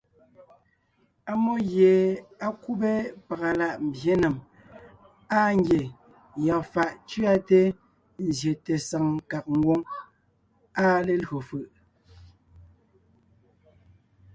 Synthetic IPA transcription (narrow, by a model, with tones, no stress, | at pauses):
a˦mo˦ɣje˨a˦ku˦be˦pa˨ɣa˨la˨ʔm̩˨bje˦nɛ˨m | a˦ŋ̩˦ɡje˨ | jɔ˨fa˨ʔt͡ʃɥa˦te˦ | n̩˨zje˨te˨sa˨ŋka˨k̚ŋ̩˦ɡwo˦ŋ | a˦le˦˨lɰo˨fɯ˨ʔ